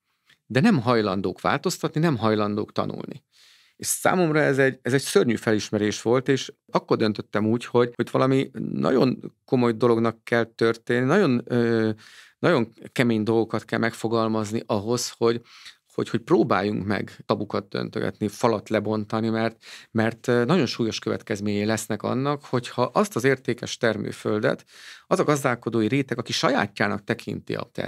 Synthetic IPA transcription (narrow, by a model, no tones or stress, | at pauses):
d̪ɛnɛmɦɒjlɒnd̪o̰ːkʋa̰ːlt̪o̞st̪ɒt̪ninɛmɦɒjlɒnd̪oːkt̪ɒ̰nṵlnḭ | eːʃsa̰ːmo̞mrɒɛzɛɟɛzɛɟsørɲyːfɛliʃmɛɾeːʃʋo̞lt̪eːʃ | ɒkːord̪ø̞nt̪ø̞t̪ːɛmuːcho̞ɟho̞ɟʋɒlɒminʔɒ̰ɟo̞̰nko̞mo̞jd̪o̞lo̞ɡnɒkːɛlt̪ørt̪eːnːinɒɟo̞nøːnɒɟo̞ŋkɛmeːɲd̪o̞lɡo̞kɒt̪kɛlmɛkfo̞ɡɒlmɒzniʔɒɦo̞sho̞ɟ | ho̞̰cho̞cproːbaːjːuŋkmɛ̰ɡt̪ɒbukɒd̪̚d̪ø̰nt̪ø̰ɡɛ̰t̪nifɒlɒt̪lɛbo̞nt̪ɒnimɛrt̪mɛrt̪nɒɟo̞nʃuːjo̞ʃkø̞vɛ̰t̪kɛzmeːɲɛjlɛsnɛkɒ̰nːɒkho̞chɒʔɒst̪ɒzeːrt̪eːkɛʃt̪ɛrmø̰ːføld̪ɛ̰t̪ɒzɒɡɒzd̪aːlko̞d̪oːjiɾeːt̪ɛɡɒkiʃɒja̰ːcːaːnɒk̚t̪ɛkʰḭnt̪ḭɒ̰t̪ɛ̰